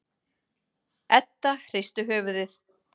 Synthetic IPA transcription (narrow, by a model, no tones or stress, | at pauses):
ɛt̪ːaxɾɪst̪ʏɦœːvʏðɪθ